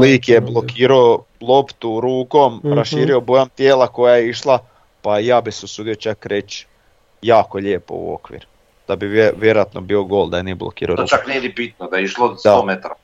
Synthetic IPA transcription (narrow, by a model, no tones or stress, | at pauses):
liːkjeblˠo̞kiːɾao | lˠopt̪uɾuːko̞mɾaʃiːɾiobojomt̪jeːlˠako̞jajeiʃlˠa | pajaːbiseusuːd̪io̞t͡ʃakɾe̞t͡ʃ | jaːkoʎe̞ːpo̞̰ṵo̰kʋḭːɾ | d̪̥abieʋjeɾojat̪nʔo̞̰biːo̞ɡo̞lʲˠd̪ajenieblˠo̰kḭːɾʔa̰o̰ɾout͡ʃaknied̪ipit̪̚nod̪ajeiʃlod̪aomet̪ɾa